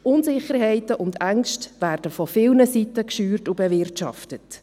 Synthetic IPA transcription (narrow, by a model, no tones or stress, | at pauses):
ʔʊnsɪχəɾɦɛɪtəʔʊndæŋʃtʋæːrd̥əfɔfɪlnəsitəkʃyːrtubɛvɪrtʃɑ̰ftət